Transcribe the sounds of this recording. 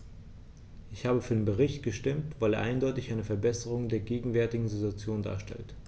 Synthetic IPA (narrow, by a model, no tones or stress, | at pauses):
ʔɪçhaːbəfyːɐdeːnbəʁ̞ɪçtɡ̥əʃtɪmtv̥aɪleːɐʔaɪndɔʏtɪçʔaɪnəfɛɐbɛsəʁ̞ʊŋdeːɐɡeːɡŋ̩vɛɐtɪɡŋ̩zituat͡sjoːnda̰ːɐʃtɛ̰lt